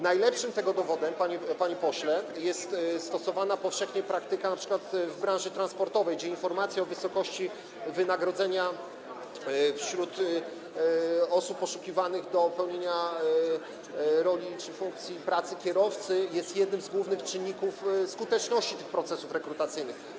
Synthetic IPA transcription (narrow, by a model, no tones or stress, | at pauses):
najlɛpʂɘmt̪ɛɡɔd̪ɔvɔd̪ɛmpaɲɛpaɲepɔɕlɛjɛst̪st̪ɔsɔvanapɔfʂɛxɲɛpɾakt̪ɘkanapʂɘ̥kwat̪vbɾãʐɘt̪ɾanspɔɾt̪ɔvɛjɡd͡ʑɛinfɔɾmat̪sʲjaɔvɘsɔkɔɕt͡ɕi | vɘnaɡɾɔd̪zɛɲa | fɕɾut̪ | ɔsupːɔʂukʲivanɘɣd̪ɔpɛwɲeɲa | ɾɔlʲit͡ʂɘfuŋk̚t̪sʲjipɾat̪sɘkʲɛɾɔft̪sɘjɛst̪jɛd̪̚nɘmzɡwuvnɘxt͡ʂɘɲʲːikufskut̪ɛt͡ʂnɔɕt͡ɕi̥t̪ɘxpɾɔt̪sɛsufɾɛkɾut̪at̪sɘjnɘx